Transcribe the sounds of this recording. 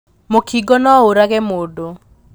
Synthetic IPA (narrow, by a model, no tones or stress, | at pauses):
mokiɡɔnɔoɾaɣɛmodo